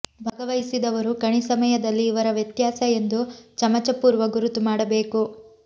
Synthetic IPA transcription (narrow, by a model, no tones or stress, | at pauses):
bʱɐɡɐʋɐjisid̪ɐʋɐɾukɐɳisɐmɐjɐd̪ɐlːiːʋɐɾɐʋjɐt̪jaːsɐe̞nd̪ut͡ʃɐmɐt͡ʃɐpuːɾʋɐɡuɾut̪ːumaːɽɐbeːku